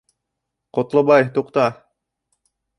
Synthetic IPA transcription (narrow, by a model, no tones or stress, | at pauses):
qot̪lˠobɑjt̪uqt̪ɑ